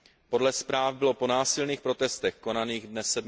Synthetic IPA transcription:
po̞dlɛspɾaːvbɪlo̞po̞naːsɪlniːxpɾo̞t̪ɛst̪ɛxko̞naniːɣdnɛsɛdm

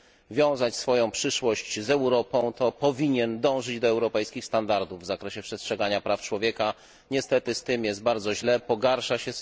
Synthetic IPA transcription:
vʲjɔ̃w̃zat͡ɕsfɔjɔ̃w̃pʂɘʂwɔɕt͡ɕzɛwɾɔpɔ̃w̃t̪ɔpɔvʲiɲɛnd̪ɔ̃w̃ʐɘd͡ʑd̪ɔɛwɾɔpɛjskʲixst̪and̪aɾd̪uvːzakɾɛɕɛpʂɛstʂɛɡaɲapɾaft͡ʂwɔvʲjɛka | ɲɛst̪ɛt̪ɘst̪ɘmjɛsd̪t̪̚baɾd̪zɔʑlɛpɔɡaɾʂaɕɛ

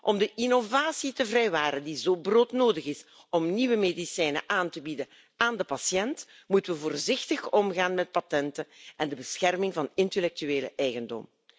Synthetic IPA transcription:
ʔɔmdəʔinovaːsitəvrɛjʋaːɾəndizoːbroːtnoːdəɣɪs | ɔmniʋəmeːdisɛjnə̰ʔaːntəbidə | aːndəpɑsjɛnt | mutəʋəvoːrzɪxtəxɔmɣaːnmɛt̚patɛntəʔɛndəbəsxɛrmɪŋvɑnɪntelɛk̚tyeːlə̰ʔɛjɣəndɔ̰m

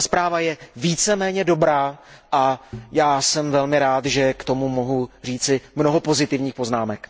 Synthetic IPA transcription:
spɾaːvajɛviːt͡sɛmɛːɲɛdo̞bɾaːʔajaːsɛmvɛlmɪɾaːt̪ʒɛkt̪o̞mumo̞ɦur̝iːt͡sɪmno̞ɦopo̞zɪt̪ɪvɲiːxpo̞znaːmɛk

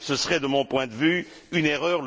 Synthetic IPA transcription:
səsəʁɛd̪əmɔ̃pwɛ̃d̪əvy | yneʁœʁl

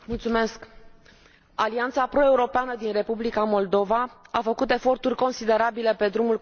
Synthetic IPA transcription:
mult̪sume̞sk | aliant̪sapɾo̞e̞uɾo̞peanəd̪inre̞publikamo̞ld̪o̞vaafəkut̪e̞fo̞rt̪urʲko̞nsid̪e̞ɾabile̞pe̞d̪ɾumul

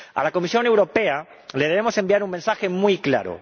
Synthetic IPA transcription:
a̰lako̞misjo̞ne̞wɾo̞pe̞a | le̞ðe̞βe̞mo̞se̞mbiaɾuŋmensaxe̞mujkla̰ɾo̰

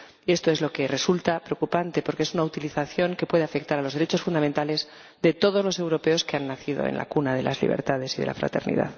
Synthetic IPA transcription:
ie̞st̪o̞e̞zlo̞ke̞re̞sult̪apɾeokupant̪e̞po̞ɾkeesunaut̪iliθaθjo̞ŋkepwe̞ð̞eafe̞k̚t̪aɾalo̞zðe̞ɾe̞t͡ʃosfund̪ament̪ale̞z | d̪e̞t̪o̞ð̞o̞zlo̞se̞wɾo̞pe̞o̞ske̞anːaθiðo̞̰ḛnla̰kunaðelʔa̰zlḭβ̞e̞̰ɾt̪að̞e̞siðe̞̰la̰fɾa̰t̪e̞ɾnḭða̰ð

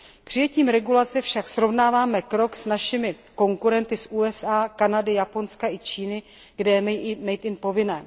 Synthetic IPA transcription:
pr̝̥ɪjɛciːmɾɛɡulat͡sɛfʃaksɾo̞vnaːvaːmɛkɾo̞ksnaʃɪmɪ | ko̞ŋkuɾɛnt̪ɪsʔuːɛsaːkanadɪjapo̞nskaʔɪt͡ʃiːnɪ | ɡ̥dɛmɛjiʔɪmɛjt̪ɪnpo̞vɪnɛː

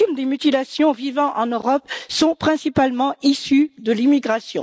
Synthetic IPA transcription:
md̪emyt̪ilasjɔ̃vivɑ̃ʔɑ̃nøʁɔpsɔ̃pχɛ̃sipalmɑ̃isyd̪əlimiɡʁasjɔ̰̃

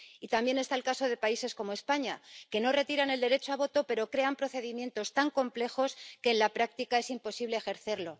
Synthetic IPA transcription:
it̪ambje̞ne̞st̪aelkaso̞ð̞e̞paise̞sko̞moe̞spaɲake̞no̞re̞t̪iɾane̞ld̪eɾe̞t͡ʃoaβ̞o̞t̪o̞pe̞ɾo̞kɾe̞ampɾo̞θe̞ðimje̞nt̪o̞st̪aŋko̞mple̞xo̞ske̞ːnlapɾak̚t̪ikae̞simpo̞siβleːxe̞ɾθe̞ɾlo̞

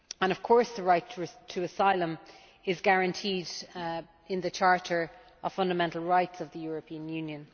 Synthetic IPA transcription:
ə̃ñʌv̥kʰɔɹsðəɹaɪtʰtʰəəsaɪlə̃m | ɪzɡaɹə̃ntʰiːd | ɪ̃nðət͡ʃʰɑɹɾə˞ | əv̥fʌ̃ndəmɛ̃ntˡl̩ˠɹaɪtsʌvðəjɔːɹəpʰĩə̃njʉːnjə̃n

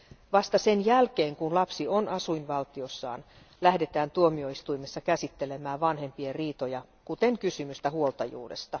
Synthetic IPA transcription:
ʋɑst̪ɑse̞njælk̟e̞ːŋkunlɑpsio̞nɑsuinʋɑlt̪io̞sːɑ̰ːn | læhde̞t̪æːnt̪uomio̞ist̪uimesːɑkæsit̪ːe̞le̞mæːʋɑnɦe̞mpieriːt̪o̞jɑ | kut̪e̞ŋkysymyst̪æhuolt̪ɑjṵːde̞̰st̪ɑ

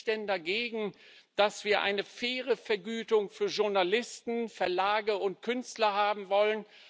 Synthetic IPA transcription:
d̥ɛndaɡeːɡŋ̩d̥asv̥iːɐʔa̰ɪnəfɛːʁəfɛɐɡyːtʊŋfyːɐʒʊɐnalɪstn̩fɛɐlaːɡəʊntkʰʏnstlɐhaːbm̩vɔlən

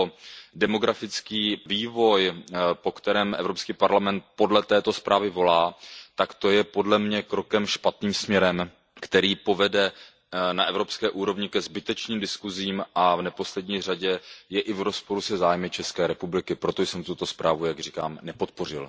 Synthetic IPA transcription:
odɛmo̞ɡɾafɪt͡skiːviːvo̞jpo̞kt̪ɛɾɛːmʔɛ̰vɾo̞pskiːpaɾlamɛnt̪̚po̞dlɛt̪ɛːt̪o̞spɾʔaːvɪvo̞laːt̪akt̪o̞jɛpo̞dlɛmɲɛkɾo̞kɛmʃpat̪niːmsmɲɛɾɛm | kt̪ɛɾiːpo̞vɛdɛ | naʔɛvɾo̞pskɛːʔuːɾo̞vɲɪkɛzbɪt̪ɛt͡ʃniːmdɪskuziːmʔavnɛpo̞slɛdɲiːraɟɛjɛʔɪvɾo̞spo̞ɾusɛzaːjmɪt͡ʃɛskɛːɾɛpublɪkɪpɾo̞t̪o̞jsɛmt̪ut̪o̞spɾaːvujaɡrika̰ːmnɛpo̞t̪po̞r̝ɪ̰l

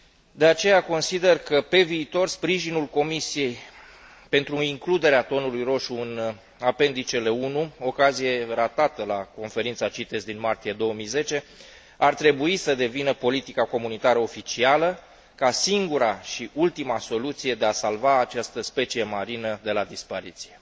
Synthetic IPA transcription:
d̪e̞at͡ʃe̞jako̞nsid̪e̞rkəpe̞viːt̪o̞rspɾiʒinulko̞misije̞j | pe̞nt̪ɾuiŋklud̪e̞ɾeat̪o̞nulujro̞ʃuɨn | ape̞nd̪it͡ʃe̞le̞unuo̞kazije̞rat̪at̪əlako̞nfe̞ɾint̪sat͡ʃit̪e̞zd̪inmart̪ije̞d̪o̞wəmijze̞t͡ʃe̞ | art̪ɾe̞buisəd̪e̞vinəpo̞lit̪ikako̞munit̪aɾəo̞fit͡ʃialə | kasiŋɡuɾaʃiʔult̪imaso̞lut̪sije̞d̪e̞asalvaːt͡ʃast̪əspe̞t͡ʃije̞maɾinəd̪e̞lad̪ispaɾit̪sije̞

